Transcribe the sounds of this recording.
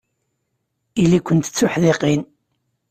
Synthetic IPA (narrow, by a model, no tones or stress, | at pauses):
ilːikʷənt̪ə̥t͡sːʊħðeqin